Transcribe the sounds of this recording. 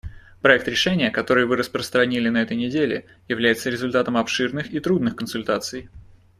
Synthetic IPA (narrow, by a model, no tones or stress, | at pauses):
pɾɐɛk̚t̪ɾʲɪʂɛnʲɪjəkɐt̪o̞ɾɨjvɨɾəspɾəst̪ɾɐnʲilʲɪnɐɛt̪əjnʲɪdʲelʲɪ̰ | jɪvlʲæjɪt̪səɾʲɪzʊlʲt̪at̪əmɐpʂɨrnɨxit̪ɾud̪nɨxkənsʊlʲt̪at̪sɨj